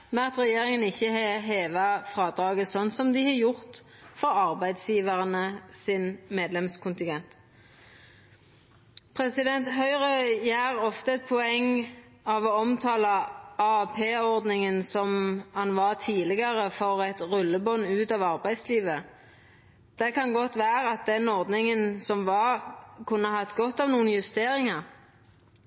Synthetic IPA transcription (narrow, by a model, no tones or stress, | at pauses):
mɛnɑt̪ʁɛjeːʁɪŋənɪçːəɦɛɦeːʋɑfʁɑːd̪ɾɑːɡəsɔnːsɔmd̪ɪhɑːjʊʁt̪fɔɑʁbæɪd̪sjiːʋəʁənəsɪnmeːd̪lɛmskʰʊnt̪ɪŋɡɛnt̪ | pʰɾɛsɪd̪ɛnt̪hœʏʁœjæːʁɔft̪əɛt̪̚pʰɔɛŋ | ɑʋɔɔmt̪ʰɑːlɑɑpʰeːɔʁd̪nɪŋənsɔmhɑnʋɑʁt̪ʰiːlɪɡɑʁəfɔʁɛt̪ʁʉlːəbɔnːʉːt̪ɑʋɑʁbæɪd̪sliːʋə | d̪̥ɛkʰɑnɡɔt̪ːʋæːʁəɑt̪̚d̪ɛnɔʁd̪nɪŋənsɔmʋɑkʰʉnːəhɑːɛt̪ɡɔt̪ːɑʋnuːənjʉst̪eːɾɪŋɑ